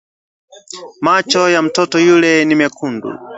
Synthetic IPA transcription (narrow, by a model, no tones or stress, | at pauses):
mat͡ʃɔjam̩tʰɔtɔjulɛnimɛkʰundṵ